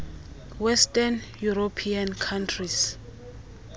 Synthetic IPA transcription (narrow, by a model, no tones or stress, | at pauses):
wɛstanjuropʰiankʰantʰris